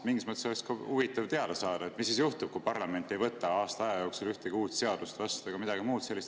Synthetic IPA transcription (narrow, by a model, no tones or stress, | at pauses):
miŋɡismət̪ːˑesolekskɑuvit̪ːˑɑvt̪e̞ɑd̪ɑsɑːd̪ɑe̞t̪ːˑmis̬ːisjuht̪ub̥̚kupɑrlɑme̞nt̪ːˑe̞jvɤt̪ːˑɑɑːst̪ɑɑjɑjo̞ːksulyht̪eɡiuːt̪se̞ɑd̪̥ust̪vɑst̪eɡ̥ɑmid̪̥ɑɡimuːd̪se̞lːist̪